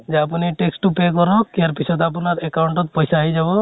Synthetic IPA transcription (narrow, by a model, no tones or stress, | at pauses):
d͡ʒeapuniʈeksʈupekɔɾɔkijaɾpisʰɔd̪apunaɾɛkawɳʈɔt̪̚pɔjsaːɦjd͡ʒabɔ